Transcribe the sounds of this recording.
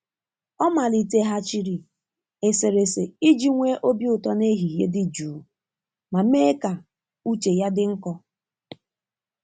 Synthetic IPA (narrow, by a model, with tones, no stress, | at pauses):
ɔ˦ma˨li˨te˦ɦa˦t͡ʃi˦ɾi˨ | e˨se˨ɾe˨se˨i˦d͡ʒi˦ŋʷe˦ʔo˦bjʊ˨tɔ˦ne˦ɦi˨je˦dɪ˦d͡ʒuː˨˦ | ma˨meː˦ka˨ | u˦t͡ʃe˨ja˦dɪ˦ŋ̩˦kɔ˦